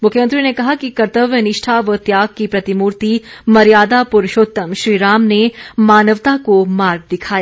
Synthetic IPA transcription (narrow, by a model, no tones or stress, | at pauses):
mʊkʰjəmə̃nt̪ɾinekɐɦakikɐɾt̪əʋjənɪʃʈʰaʋət̪jaːɡ̚kipɾɐt̪imuːɾt̪imɐɾijaːd̪apʊɾʊʃoːt̪ːəmʃɾiːɾaːmnemaːnəʋt̪akomaːɾɡ̚d̪ɪkʰaːja